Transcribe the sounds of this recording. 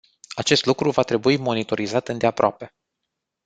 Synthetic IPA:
at͡ʃe̞st̪lukɾuvat̪ɾe̞buimo̞nit̪o̞ɾizat̪ɨnd̪eapɾoape̞

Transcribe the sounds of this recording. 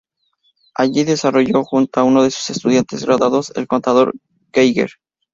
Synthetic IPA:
aʝiðe̞saro̞ʝo̞xunt̪oauno̞ðe̞su̥se̞st̪uðjant̪e̞zɣɾaðaðo̞se̞̰lko̞nt̪aðo̞ɾ | ɡejɣḛɾ

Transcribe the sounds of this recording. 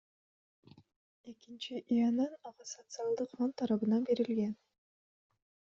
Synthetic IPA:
e̞kint͡ʃiʔianɑnɑʁɑsot̪sɨalˠd̪ɯqfont̪ʰːɑɾɑβɯnɑnbe̞ɾilɡe̞n

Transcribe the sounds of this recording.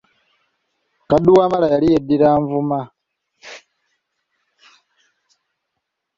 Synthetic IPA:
kaduwaːmalajalijediɾaːɱvuma

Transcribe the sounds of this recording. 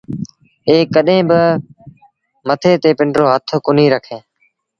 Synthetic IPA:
eːkːəɗɦẽːbə | mət̪ʰeːt̪eːpɪɳɖɾoːɦət̪ʰkʊn̤iːɾəkʰẽː

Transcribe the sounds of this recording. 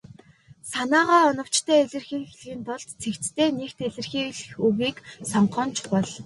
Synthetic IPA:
sanaːʁaːɔnɞ̆w̥t͡ɕt̪ʰæːeɮɘ̆rxiːŋxeɮiːnp̪ɔɮt̪t͡sʰekt͡st̪ʰeːnekt̪eɮɘ̆rxiːɣɮxɵwiːksɔɴɢɔːnt͡ɕʰpɔɮ

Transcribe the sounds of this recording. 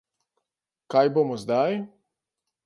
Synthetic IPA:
kajboːmɔzd̪aj

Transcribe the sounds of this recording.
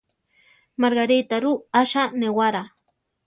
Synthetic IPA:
maɾɡaɾit̪aɾuaʃanewaɾa

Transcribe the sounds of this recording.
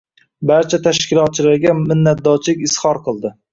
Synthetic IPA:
baɾt͡ʃʰat̪ʰaʃkʲʰɪlˠɒt̪̚t͡ʃʰɪlaɾɡʲamɪnːat̪̚d̪ɒt͡ʃʰlɪkʲɪshɒɾqʰɨlˠd̪ɪ

